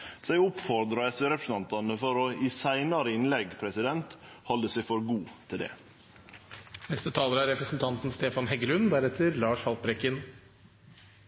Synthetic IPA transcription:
sæɪʊpfɔɾd̪ɾɑɛsʋeːɾɛpɾsn̩ʰɑnt̪ɑnəfɔɾɔɪsæɪnɑɾəɪnlɛɡpʰɾɛsɪd̪ɛnt̪ | hɔld̪əsɛɪfɔɾɡuːt̪ʰɪld̪ɛ̰ | nɛst̪ət̪ʰɑːləɾəæɾɛpɾəsnt̪ʰɑnt̪n̩st̪eːfɑnɦɛɡəlʉnd̪æɾɛt̪ʰəɾlɑːʂhɑlt̪̚bɾɛkːən

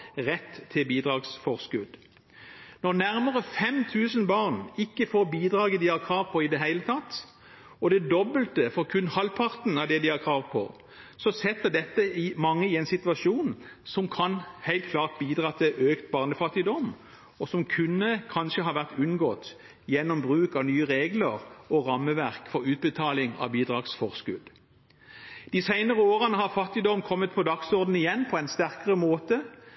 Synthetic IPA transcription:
ʁɛt̪ʰːɪlbiːd̪ʁɑːɡsfɔʁskʉd̪ | nɔʁnæʁməʁəfɛmt̪ʰʉːsən̩bɑːʁnɪkːəfoːbiːd̪ʁɑːɡəd̪ɪhɑʁkʰʁɑːʋpʰɔɪd̪ɛɦæɪlət̪ʰɑt̪ː | ɔd̪ɛd̪ɔbːəlt̪əfɔʁkʰʉnːhɑlpʰɑʁt̪n̩ɑd̪ɛd̪ɪhɑʁkʰʁɑːʋpʰɔ̰ | sɔsɛt̪ːəd̪ɛt̪ːəɪmɑŋːəɪɛɪnsɪt̪ʉɑʃuːnsɔmkʰɑnhæɪlt̪kʰlɑːʁt̪̚biːd̪ʁɑːt̪ʰɪlʔøːkt̪bɑːʁnəfɑt̪ːɪd̪ɔm | ɔsɔmkʰʉnːəkʰɑnʃəɦɑːʋæʁt̪ʉnɡoːt̪ | jɛnːɔmbʁʉːkɑʋnyːəʁeːɡləʁɔʁɑmːəʋæʁkfɔɾʉːt̪̚bət̪ʰɑːlɪŋɑ̰ʋbiːd̪ɾɑɡsfɔʁskʉ̰d̪ | d̪̥ɪsæɪnəʁəoːʁənəɦɑʁfɑt̪ːɪd̪ɔmkʰɔmːət̪̚pʰɔd̪ɑksɔʁd̪n̩ɪjɛnːpʰɔɛɪnst̪æʁkəʁəmoːt̪ə

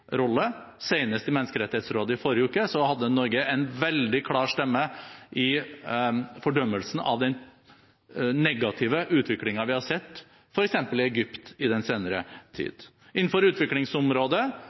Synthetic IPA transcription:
ɾɔlːə | seɪnəst̪ɪmɛnːəskəɾɛt̪ːɪheːt̪sɾoːd̪əɪfɔɾjəʉːkəsɔhɑd̪ːənɔɾɡəɛɪnʋɛld̪ɪkʰlɑːɾʂt̪ɛmːəʔɪ | fɔɖœmːəlsn̩ɑ̰ʋd̪ɛn | nɛɡɑt̪ʰɪːʋəʔʉːt̪ʰʋɪklɪŋɑʋɪhɑɾʂɛt̪ː | fɔɾɛksɛmpəlɪɛɡʏpt̪ɪd̪ɛnseːnəɾət̪ʰḭːd̪ | ɪnn̩fɔɾʉːt̪ʋɪklɪŋsɔmɾoːd̪ə

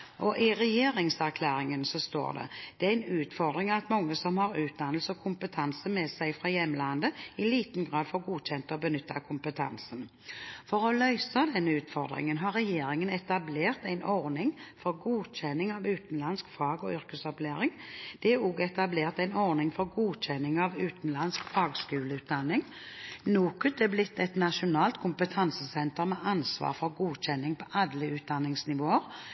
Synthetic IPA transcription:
ʔɔʔɪʁɛjeːɾɪŋsæʁkʰlæːɾɪŋənsɔst̪o̰ːʁd̪ɛ̰d̪̥ɛæɪnʉːt̪fɔʁd̪ɾɪŋɑt̪mɔŋːəsɔmhɑɾʉːt̪̚d̪ɑnəlsɔkʰʊmpət̪ʰɑnsəmɛːsæɪfʁɑjɛmːlɑnd̪əɪliːt̪n̩ɡʁɑːd̪fɔɾɡuːçɛnt̪əɔbənʏt̪ʰːɑ̰kʰʊmpət̪ʰɑ̰nsən | fɔɾɔlœʏsɑd̪ɛnːəʉːt̪fɔʁd̪ʁɪ̰ŋənɦɑɾɛjeːɾɪŋənɛt̪ɑbleːʁt̪æɪnɔʁnɪŋfɔɾɡuːc͡çɛnːɪŋɑʋʉːt̪n̩lɑnskfɑːɡɔ̰ʏʁkəsɔpleːɾɪŋd̪̥ɛɔɡɛt̪ɑbleːʁt̪æɪnɔʁnɪŋfɔɾɡuːc͡çɛnːɪŋɑʋʉːt̪n̩lɑnskfɑːɡskʉːləʉːt̪̚d̪ɑnːɪŋ | nuːkʉt̪ɛblɪt̪ʰːɛt̪nɑʃʊnɑːlt̪kʰʊmpət̪ʰɑnsəsɛnt̪əʁmɛʔɑnsʋɑ̰ːʁfɔʁɡuːc͡çɛnːɪŋpʰɔʔɑd̪ləʉːt̪̚d̪ɑnːɪŋsnɪʋoːəʁ

